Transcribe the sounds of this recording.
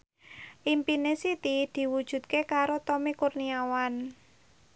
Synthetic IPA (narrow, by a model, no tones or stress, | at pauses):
ʔimpinesit̪id̪̥i̤wud̥ʒ̥ṳt̪̚kekaɾot̪ɔmikurniawan